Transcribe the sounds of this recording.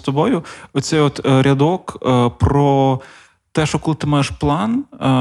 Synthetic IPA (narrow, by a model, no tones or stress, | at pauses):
t̪ɔbɔjʊɔt̪sɛjɔt̪ɾʲɐd̪ɔkpɾɔ | t̪ɛʃɔkɔlˠt̪ɪmajeʃplˠɑn